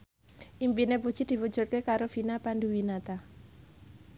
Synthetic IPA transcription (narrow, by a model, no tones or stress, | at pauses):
ʔimpinepud̥ʒ̥i̤d̪̥i̤pud̥ʒ̥ṳt̪̚kekaɾofinapand̪uwinat̪a